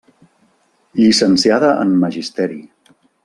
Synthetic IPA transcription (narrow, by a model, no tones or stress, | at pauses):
ʎisənsiaðəʔə̰nməʒist̪ɛɾi